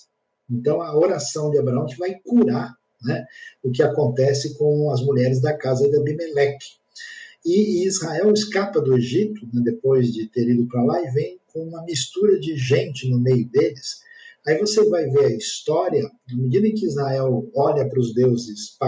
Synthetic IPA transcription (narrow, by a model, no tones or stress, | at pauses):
ẽnt̪ɐ̃w̃ɐoɾasɐ̃w̃d͡ʒɪabɾaɐ̃w̃kɪvajkuɾaɾ | nɛʊk̬ɪakõnt̪ɛsɪkõw̃ɐzmuʎɛɾɪzd̪ɐkazɐd̪ɐbimelɛkɪ̥ | ɪizhaɛwɪskapɐd̪ʊeʒit̪ʊnɛd̪epojzd͡ʒɪt̪eɾid̪ʊpɾalaɪvẽj̃kõũmɐmist̪uɾɐd͡ʒɪʒẽnt͡ʃɪnʊmejʊd̪elɪsaivosevajveɾɐist̪ɔɾiɐ | nɐmed͡ʒid̪ɐẽkɪizhaɛwɔʎɐpɾʊzd̪ewzɪspa